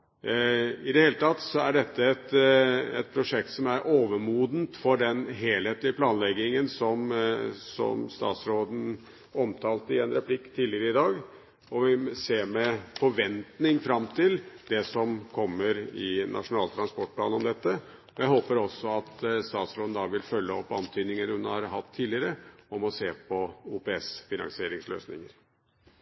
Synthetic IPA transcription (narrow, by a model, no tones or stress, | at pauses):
ɪd̪ɛheːlət̪ʰɑt̪sɔæɖɛt̪ːəɛt̪ɛt̪̚pʰɾʊʂɛk̚t̪sɔmæɾʔoːʋəɾmuːd̪n̩t̪fɔɖɛnɦeːlheːt̪lɪəpʰlɑːnlɛɡːɪŋənsɔmsɔ̰mst̪ɑ̰ːt̪sɾoːd̪n̩ | ɔmt̪ʰɑːlt̪əɪɛnɾɛpʰlɪkːt̪ʰiːlɪəɾəɪd̪ɑːɡ | ɔʋɪseːɾmɛfɔʋɛnt̪nɪŋfɾɑmt̪ʰɪld̪ɛsɔmkʰɔmːəɾɪnʔɑ̰ʂʊnɑːlt̪ʰɾɑnspɔʈ̚pʰlɑ̰ːnɔmd̪ɛt̪ːə | ɔjæɪɦoːpəɾɔsːɔɑt̪st̪ɑːt̪sɾoːd̪nd̪ɑʋɪlfœlːəɔpːɑnt̪ʰyːd̪nɪŋəɾhʉnhɑ̰ɾɦɑt̪ʰːiːlɪəɾəɔmɔseːpʰɔuːpɛɛsfɪnɑ̰ŋsɪeːɾɪŋslø̰ːsnɪ̰ŋəɾ